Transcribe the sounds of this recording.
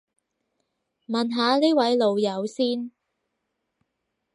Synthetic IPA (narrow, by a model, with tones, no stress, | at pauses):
mɐ˨nɦaː˨˧liː˥wɐ˨˥jlo˨˧wjɐ˨˧˥wsiː˥n